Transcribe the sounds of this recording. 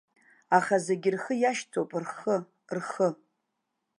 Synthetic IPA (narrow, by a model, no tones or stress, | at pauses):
aχazeɡʲɪrχəjaʃt͡sʰowpʼrχə | rχə